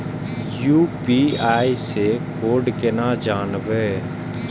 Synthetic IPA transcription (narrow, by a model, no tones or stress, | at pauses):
juːpiːaːisekoːɖkenãːd͡ʒaːnʋeː